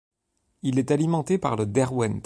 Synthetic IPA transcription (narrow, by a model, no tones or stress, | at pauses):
ilɛt̪alimɑ̃t̪epa̰ʁləd̪ɛʁwɛnp